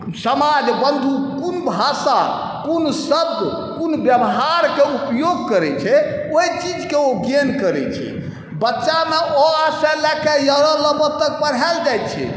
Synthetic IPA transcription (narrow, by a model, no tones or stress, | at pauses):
səmad͡ʒbənd̪ʱukunbʱasa | kunsəb̚ɡ̪ | kunbjəbəɦaɾkeupjoɡ̚kəɾɛt͡ʃʰɛoit͡ʃid͡ʒkeoɡenkəɾɛ̰t͡ʃʰɛ̰ | bətːʃameʔɔaselɛkejəɦɾɔləbɔt̪ːək̚pəɽ̤ɦɛld͡ʒajt̪t͡ʃʰɛ̰